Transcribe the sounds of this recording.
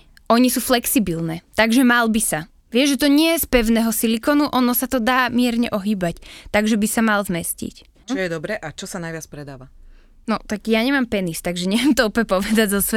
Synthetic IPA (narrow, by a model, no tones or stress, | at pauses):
ʔɔɲisuːflɛksibilnɛːt̪aɡʒɛmalbisa | ʋɪɛʒʒɛt̪ɔɲɪɛjɛspɛʊnɛːɦɔsilikɔnuʔɔnɔsat̪ɔd̪aːmɪɛɾɲɛʔɔɦiːbact̪aɡʒɛbisamalzmɛscḭc | t͡ʃɔjɛd̪ɔbɾɛʔat͡ʃɔsanajʋɪat͡spɾɛd̪aːʋa | nɔt̪aɡjaɲɛmaːmpɛnist̪aɡʒɛɲɛʋjɛmt̪ɔɔpɛpɔʋɛd̪aɟzɔsʋɛ